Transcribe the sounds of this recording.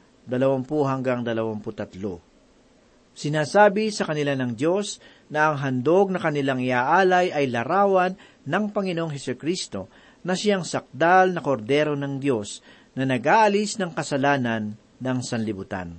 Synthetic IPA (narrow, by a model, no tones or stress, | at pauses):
d̪ɐlɐwampuɦɐŋɡaŋd̪ɐlɐwampʊt̪ɐt̪lo̰ | sɪnaːsaːbɪsɐkɐnɪlanɐŋd̪jo̞s | nɐʔɐŋɦɐnd̪o̞ɡ̚nɐkɐnɪlaŋɪʔaːʔaːlɐjɐjlɐɾaːwɐnː | ɐŋpɐŋɪnoʔoŋɦɛsʊkɾist̪o̞ | nɐʃɪaŋsɐk̚d̪alnɐko̞ɾd̪ɛːɾo̞nɐŋd̪jo̞s | nɐnɐɡʔaːʔɐlisnɐŋkɐsɐlaːnɐnː | ɐŋsɐnlɪbʊt̪a̰n